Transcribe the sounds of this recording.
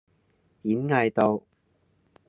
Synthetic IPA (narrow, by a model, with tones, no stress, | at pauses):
t̪iː˨˥nŋɐ˧jt̪o˧w